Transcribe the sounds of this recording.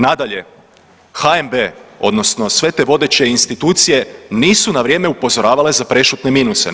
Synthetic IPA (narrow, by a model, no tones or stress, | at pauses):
nad̪aʎe̞ | xaembeo̞̰d̪no̞sno̞sʋe̞t̪e̞ːʋo̞d̪e̞t͡ɕe̞inst̪it̪uːt̪sije̞niːsunaʋɾje̞ːmeupo̞zo̞ɾaːʋale̞zapɾe̞ʃut̪ne̞miːnuse̞̰